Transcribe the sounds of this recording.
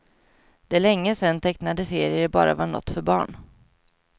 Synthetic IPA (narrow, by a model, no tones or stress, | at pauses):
d̪̥ɛæɭɛŋːəsɛnt̪ʰɛknad̪əseːɾɪəɾbɑ̰ːɾa̰vaɳɔ̰t̪ːfœɾbɑ̰ːɳ